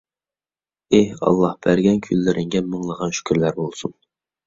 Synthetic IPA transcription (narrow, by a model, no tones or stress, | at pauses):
ehɑ̰lˠːɑhb̥æɾɡʲɛnkʲʰylːɪɾʔɪŋɡʲɛməŋlˠəʁɑnʃy̥kʲʰyɾlæɾbolˠsun